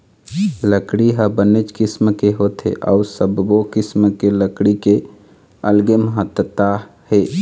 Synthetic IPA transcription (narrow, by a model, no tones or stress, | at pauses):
ləkɽiɦəbənet͡ʃkɪsmkeɦot̪ḛʔɔ̰ʊsəbbokɪsmkeləkɽike | əlɡeməɦət̪ːət̪ahe